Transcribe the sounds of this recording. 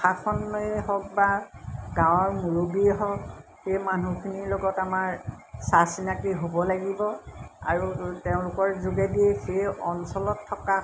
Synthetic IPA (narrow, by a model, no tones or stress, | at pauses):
xatʰɔnːɔjɦɔk̚baɡãwɔɹmuɹubiɛɦɔkhejmanukʰiniɹlɔɡɔtamaɹsasinakiɦobɔlaɡibɔa̰ɹuteʊ̃lʊkɔɹzuɡɛdiɛxejɔnsɔlɔtʰːɔka